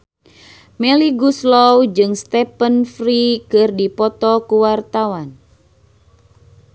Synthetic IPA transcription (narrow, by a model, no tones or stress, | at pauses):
mɛliɡuslɔwd͡ʒɨŋst̪ɛpənfɾikɨrdipɔt̪ɔkuwart̪awan